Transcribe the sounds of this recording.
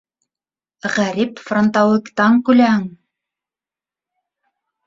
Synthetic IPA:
ʁæɾipfront̪ɑlˠɤkt̪ɑŋkʉlæhɘŋ

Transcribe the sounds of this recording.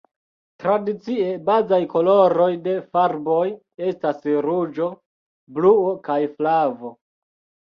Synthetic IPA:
tɾadit͡siebazajko̞lo̞ɾo̞jde̞faɾbo̞j | e̞stasɾud͡ʒo̞ | bluokajflavo̞

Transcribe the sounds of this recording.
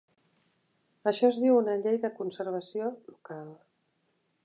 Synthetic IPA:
əʃɔzðiwunəʎejðəkunsəɾβ̞əsiolukalˠ

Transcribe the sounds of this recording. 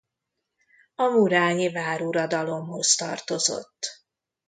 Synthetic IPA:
ɒmuɾaːɲivaːɾuɾɒd̪ɒlo̞mho̞st̪ɒ̰rt̪o̞zo̞̰t̪ː

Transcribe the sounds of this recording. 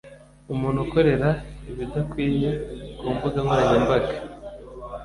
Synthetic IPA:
umuːn̤uko̞ɾe̞ɾaiβidakwiːɲukuːmbuɡamaɲembaɡḁ

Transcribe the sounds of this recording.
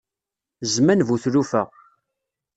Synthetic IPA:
zmænvuθɾufæ

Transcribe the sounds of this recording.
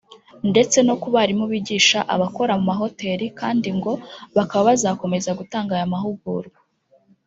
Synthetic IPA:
nde̞t͡se̞no̞kuβaɾimuβiɟiːʃaʔa̰βako̞ɾamumaɦo̞te̞ːɾikaːndiŋɡo̞βakaβaβazaːko̞me̞zaɡutaːŋɡajamaɦuɡ̚uːɾɡa

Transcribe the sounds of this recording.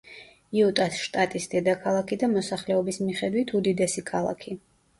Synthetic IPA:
iut̪ʼasʃt̪ʼat̪ʼisd̪̥ɛd̪akʰalˠakʰid̪amɔsaχlɛɔbismiχɛd̪wit̪ʰud̪id̪ɛsikʰalˠa̰kʰi

